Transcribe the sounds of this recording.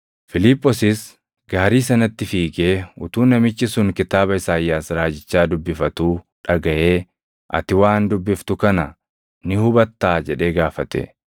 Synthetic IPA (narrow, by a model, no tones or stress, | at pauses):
fɪlipʼːɔsɪs | ɡaːɾiːsɐnɐt̪ːɪfiːɡeːʊ̰t̪uːnɐmɪt͡ʃːɪsʊŋkɪt̪aːbɐɪsaːjːaːsɾaːd͡ʒɪt͡ʃːaːd̪ʊbːɪfɐt̪uː | ᶑɐɡɐʔeː | ʔɐ̰t̪ɪwaːnd̪ʊbːɪft̪ʊkɐnɐ | nɪhʊbɐt̪ːaːd͡ʒɛᶑe̞ːɡaːfɐt̪ɛ̰